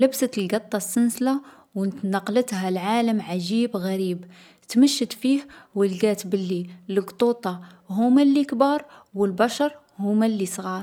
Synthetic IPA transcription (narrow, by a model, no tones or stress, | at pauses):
ləbsət̪əlɡɑt̪ˤːɑsːənsla | wənt̪nɑqːlət̪hælʕaləmʕaʒibɣæɾib | t̪məʃːət̪fihwəlɡæt̪bəlːiləɡt̪ˤut̪ˤɑ | ɦumælːikbɑɾˤwəlbæʃɑɾˤ | humælːisˤɣɑɾˤ